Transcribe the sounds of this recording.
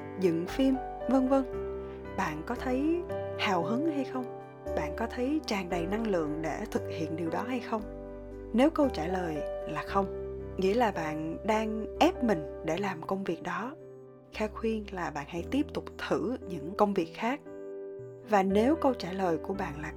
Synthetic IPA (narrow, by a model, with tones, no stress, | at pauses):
zɨ̰˧˨ŋfi˧mvə˧ŋvə˧ŋ | ɓa̰ː˧˨nkɔ˨˦t̪ʰə˨˦jhaː˨˩wɦɨ˨˦ŋha˧jxə˧wŋ͡m | ɓa̰ː˧˨nkɔ˨˦t̪ʰə˨˦jt͡ɕaː˨˩ŋɗə˨˩jna˧ŋlɨ̰˧˨əŋɗḛ˧˩t̪ʰɨ˨˩k̚hḭ˧˨ənɗi˨˩əwɗɔ˨˦ɦa˧jxə˧wŋ͡m | ne˨˦wkə˧wt͡ɕaː˧˩ləː˨˩jlaː˨˩xə˧wŋ͡mŋḭ˧˥əlaː˨˩ɓa̰ː˧˨nɗaː˧ŋʔɛ˦˥p̚mï˨˩ŋ̟ɗe˧˩laː˨˩mkə˧wŋ͡mvi˨˩ək̚ɗɔ˨˦ | xɛː˧xwi˧ənlaː˨˩ɓa̰ː˧˨nha̰˧˥jt̪i˦˥əp̚t̪ʊ˨˩k͡p̚t̪ʰɨ˧˩ɲɨ̰˧˥ŋkə˧wŋ͡mvi˨˩ək̚xaː˦˥k̚ | vaː˨˩ne˨˦wkə˧wt͡ɕaː˧˩ləː˨˩jku˧˩əɓa̰ː˧˨nlaː˨˩